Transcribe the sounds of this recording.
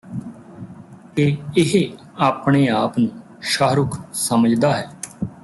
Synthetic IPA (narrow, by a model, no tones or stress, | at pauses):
keɪɦ | aːpɳ̃eːaːpnũː | ʃaːɾʊkʰsəməd͡ʒd̪aːɦɛː